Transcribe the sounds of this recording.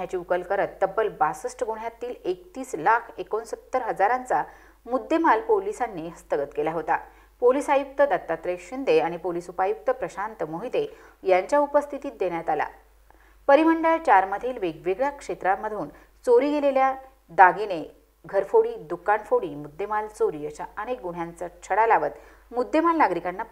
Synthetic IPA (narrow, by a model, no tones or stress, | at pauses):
ɦjat͡ɕiːukəlkəɾət̪ːəbːəlbasəsʈəɡuɳ̤jat̪iːlek̚t̪iːslakʰekonsət̪ːəɾɦəd͡zaɾãnt͡sa | mud̪ʱːemalpolisanːiɦəst̪əɡət̪kelaɦot̪a | poliːsajuk̚t̪əd̪at̪ːat̪ɾeɕind̪eaɽ̃ipolisupajuk̚t̪əpɾəɕant̪əmoɦit̪e | jaɲt͡ɕjaupəst̪ʰit̪iːt̪̚d̪eɽjat̪ala̰ | pəɾim̤əɳɖəɭt͡ɕaɾməd̪ʱiːlʋeɡʋeɡɭjakʂet̪ɾaməd̪ʱuːn | t͡soɾiːɡelelja | d̪aɡene | ɡʱəɾfoɽiːd̪ukaɳfoɽiːmud̪ːemalt͡soɾiːəɕaənek̚ɡuɽ̤jant͡sat͡ɕʰəɽalaʋət̪ | mud̪ʱːemalnaɡɾikanːa